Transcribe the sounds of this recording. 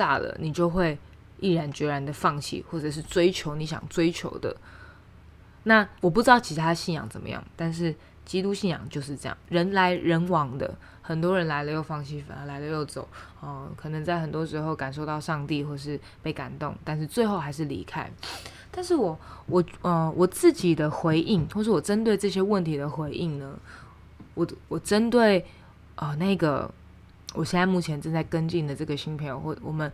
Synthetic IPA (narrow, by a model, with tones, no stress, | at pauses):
t̪a̰˥˩lə̰˩ni˨˩t͡ɕjo˥˧ʊxwe˥˧ɪ | i˥˩ɻa˧˦nt͡ɕɥɛ˧˥ɻa˧˦nd̪ə˧fɑ˥˩ŋt͡ɕʰḭ˥˨xwɔ˥˩ʈ͡ʂɤ˨˩ʂ̬ɻ̩˥˩t͡swe˥ɪt͡ɕʰjo˧˦ʊni˧˥ɕjɑ̰˨˩ŋt͡swe˥ɪt͡ɕʰjo̰˧˥ʊd̪ə̰˧ | na˥˩wɔ˨p̬u˥ʈ͡ʂɻt̪ɑ˥˩ʊt͡ɕʰi˧˥t̪ʰa˥˨ɕi˥˩njɑ̰˨˩ŋt͡sə˨˩mə̰˦jɑ̰˥˩ŋt̪a˥˧nʂ̬ɻ̩˥˩ | t͡ɕi˥t̪u˥˧ɕi˥˩njɑ̰˨˩ŋt͡ɕjo˥˧ʊʂ̬ɻ̩˥˧ʈ͡ʂɤ˥˧jɑ̰˥˩ŋɻə˧˦nla˧˥ɪɻə˧˥nwɑ˨˥ŋd̪ə̰˨ | xə˨˩nt̪wɔ˥ɻə˧˦nla˧˥ɪlə˧jo˥˩ʊfɑ˥˧ŋt͡ɕʰi˥˩˨la˧˥ɪlə˧jo˥˩ʊt͡so˨˦ʊ | ɔ˥˧kʰɤ˨˩nə˧˦ŋt͡sa˥˩ɪxə˨˩nt̪wɔ˥ʂɻ̩˧˥xo˥˩ʊka˨˩nʂ̬o˥˧ʊt̪ɑ˥˧ʊʂɑ˥˧ŋt̪i˥˨xwɔ˥˩˨ʂ̬ɻ̩˥˧ | pe˥˩ɪka̰˨˩nt̪ʊ̰˥˩ŋt̪a˥˧nʂ̬̩˥˧t͡swe˥˧ɪxo˥˧ʊxa˧˥ɪʂɻ̩˥˩lḭ˧˥kʰa˥ɪ | t̪a˥˧nʂɻ̩˥˩wɔ˨˩wɔ˨˩ə˧wɔ˨˩t͡sɹ̩˥˩t͡ɕi˨˩d̪ə˦xwe˧˥ɪʔi˥˩ŋxwɔ˥˧ʂɻ̩˥˩wɔ˨˩ʈ͡ʂə˦nt̪we˥˧ɪʈ͡ʂɤ˥˧ɕ̬jɛ˥wə˥˩nt̪ʰi˧˥d̪ə˨xwe˧˥ɪʔi˥˩ŋnə˩ | wɔ˨˩wɔ˨˩ʈ͡ʂə˦˥nt̪we˥˩ɪ | ʔə˧na˥˩i˧ɡə̰˨ | wʔɔ˨˩ɕjɛ˥˩na˥˧ɪmu˥˩t͡ɕʰjɛ˧˦nʈ͡ʂə˥˧nt͡sa˥˩ɪkə˥nt͡ɕi˥˩nd̪ə˩ʈ͡ʂɤ˥˩ɡə˩ɕi˥ŋpʰi˧˥˦wɔ˨˩mə˦n